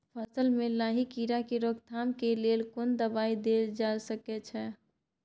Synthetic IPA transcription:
pʰəsəlmelaɦikiɾakeɾoɡ̚t̪ʰamkelelkond̪əbaid̪eld͡ʒalsəkɛt͡ʃʰɛ

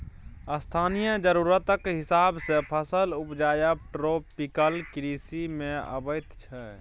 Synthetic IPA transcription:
əst̪ʰaːnijəd͡ʒəɾuːɾət̪əkɦɪsaːbsepʰəsəlupd͡ʒaːjəb̚ʈɾoːpikəlkɾiːsimẽə̰bəjt̪t͡ʃʰɛ

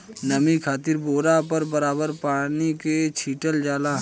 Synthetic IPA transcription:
nɐmikʰaːt̪ɪɾboːɾapəɾbɐɾaːbəɾpaːniket͡ʃʰiːʈəld͡ʒaːlaː

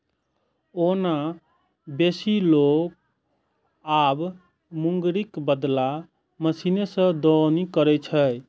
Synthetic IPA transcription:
ona | besilok̚ | ab | muŋɡɾikbəd̪la | məsinesə̃d̪ɔnikəɾɛt͡ʃʰəj

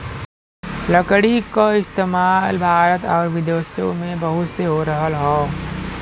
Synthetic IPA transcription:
ləkɽikaɪst̪eːmaːlbʱaːɾət̪ɔːɾʋɪd̪eːsjõ̰mẽbəɦʊt̪seɦoɾəɦəlɦɛː

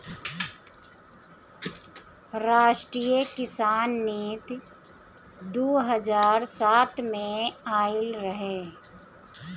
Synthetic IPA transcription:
ɾaːʃʈɾiːjəkɪsaːnːeːt̪ | d̪oːɦəzaːɾsaːt̪ʰmẽaːɪlɾɐɦe

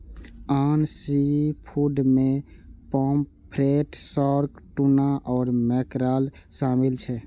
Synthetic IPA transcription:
aːnsipʰuɖmẽpɔːm | pʰɾeʈsɔːɾkʈunaʔɔːɾmɛkɾaːlʃaːmilt͡ʃʰɛ

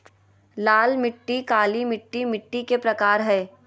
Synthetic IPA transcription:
laːlmɪʈːikaːlimɪʈːimɪʈːikepɾɐkaːɾɦɛː

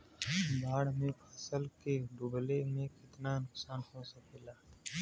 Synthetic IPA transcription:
baːɽmẽpʰəsəlkeɖʊblemẽkɪt̪nanʊksaːnɦosepʰɪlaː

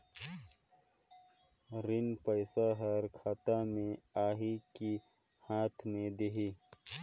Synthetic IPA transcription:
ɾɪnpəɪsaɦɐɾkʰaːt̪amẽaːɦiki | haːt̪ʰmẽd̪eɦiː

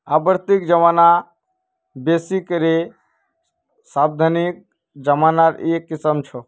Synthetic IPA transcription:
abəɾt̪ikd͡ʒəmana | besikəɾe | sab̚d̪ʱanik̚ | d͡ʒəmaːnaɾekːisəmt͡ʃʰɔ

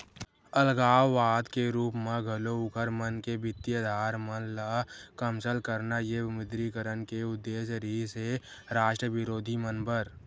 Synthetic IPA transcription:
əlɡaːwːaːd̪keɾuːpmẽɡʱəloʊkʰəɾmənkebɪt̪ːjəd̪ʱaːɾmənlakəmsəlkəɾnajemɪd̪ɾikəɾənkeʊd̪ːeːʃɾise | ɾaːʃʈɾəʋɪɾoːd̪ʱimənbəɾ

